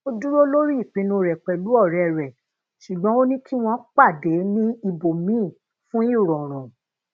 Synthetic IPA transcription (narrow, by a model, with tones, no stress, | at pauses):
o˦du˦ɾo˦lo˦ɾi˦˨k͡pĩ˧˦nũ˧ɾɛ˨k͡pɛ˨lu˨˦ɔ˦˨ɾɛ˨ɾɛ˨ | ʃu˨ɡ͡bɔ̃˨˦o˦nĩ˦tʰi˦w̃ɔ̃˧˦k͡pa˦˨de˨˦nĩ˦i˧bo˨mĩ˨˦˨ | fũ˦i˦˨ɾɔ̃˨ɾ̃ɔ̃˨